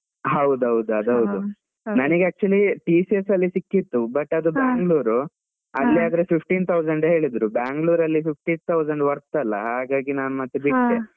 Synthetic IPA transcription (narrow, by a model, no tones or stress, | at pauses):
ɦɐwd̪uɦɐwd̪uɐd̪uɦɐwd̪u | nɐniɡeaːk̚t͡ʃuɐliʈiːsiesɐlːisikːit̪ːubɐʈːɐd̪ubaːŋɡluːɾu | ɐlːiaːd̪ɐɾepipʰʈiːnt̪ʰɐwd͡ʒɐɳɖɦe̞ːɭid̪ɾubaːŋɡɭuːɾɐlːipip̚ʰʈit̪ʰɐwd͡ʒɐɳɖʋɐɾt̪ːɐlːɐ̰ɦaːɡaːɡinaːnumɐt̪ːebiʈd̪e